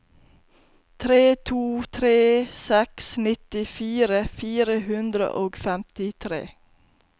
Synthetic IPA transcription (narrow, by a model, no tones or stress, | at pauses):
t̪ʰɾeːt̪ʰuːt̪ʰɾeːsɛksnɪt̪ɪfiːɾəfiːɾəhʉnd̪ɾə̰ʔoːɡfɛmt̪ɪt̪ʰɾḛː